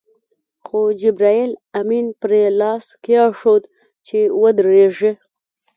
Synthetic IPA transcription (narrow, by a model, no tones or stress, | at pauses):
xod͡ʒɪbɾɑelaminpɾelɑskeɑʂod̪ | t͡ʃewəd̪ɾeʐe